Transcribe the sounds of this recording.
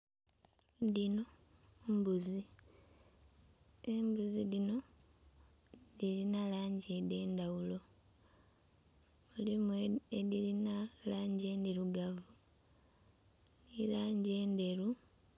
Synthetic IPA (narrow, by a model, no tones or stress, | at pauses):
dino̞mbuzi | embuziðino̞ | ðilinalaːɲɟede̞ːndawulo̞ | ulimeeðilinalaːɲɟeːndiɾuɡavu | ilaːɲɟe̞ːnde̞ɾu